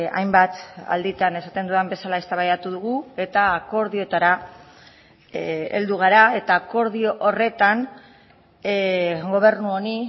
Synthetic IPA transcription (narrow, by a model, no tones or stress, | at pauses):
a̰jmbat̪a̰ld̪it̪ane̞sat̪e̞nd̪uembe̞salae̞st̪aβajat̪uðuɣue̞t̪aːko̞ɾðio̞t̪aɾa | e̞̰ld̪uɣ̞aɾae̞t̪aːko̞ɾð̞io̞ʔore̞t̪an | ɡo̞β̞e̞ɾnuo̞ni